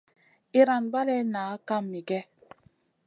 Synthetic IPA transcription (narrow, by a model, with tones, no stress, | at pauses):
i˨ɾa˨nba˦lɛ˦naː˨˦ka˦mni˨ɡɛ˦